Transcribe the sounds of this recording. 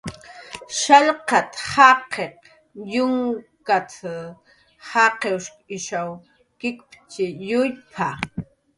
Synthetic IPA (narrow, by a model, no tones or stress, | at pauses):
ʃaʎqat̪hɑqeq | jʊŋkat͡s | hɑqewʃkɪʃaw | kɪkpʼt͡ʃɪjʊjpʰa